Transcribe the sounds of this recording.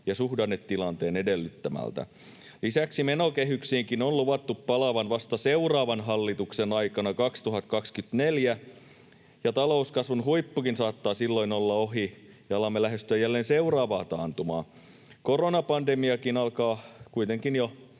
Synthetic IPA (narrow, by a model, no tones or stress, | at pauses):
jɑsuhdɑnːet̪tilɑnt̪eːnedelːyt̪ːæmæ̰lt̪æ̰ | lisæksimenokeɦyksiːŋkinolluʋɑt̪ːuppɑlɑʋɑnʋɑst̪ɑseurɑːʋɑnɦɑlːit̪uksenɑikɑnɑkɑkst̪uɦɑt̪kɑkskyt̪neljæ | jɑt̪ɑlouskɑsʋunhuipːukinsɑːt̪ːɑːsilːoinolːɑoɦi | jɑɑlɑmːelæɦest̪yæjælːeːnseurɑːʋɑːt̪ɑːnt̪umɑ̰ː | koronɑpɑndemiɑkinɑlkɑːkuit̪eŋkinjo